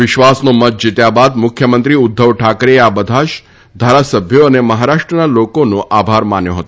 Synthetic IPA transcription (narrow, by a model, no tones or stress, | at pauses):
ʋɪʃʋasnomət̪̚d͡ʒit̪jabad̪mʊkʰjəmənt̪ɾiʊd̪ʱːəʋʈʰakɾeeabəd̪ʱaʃ | d̪ʱaɾasəbʱjoəneməɦaɾaʃʈɾənalokonõʔabʱaɾmanjõ̰ɦət̪o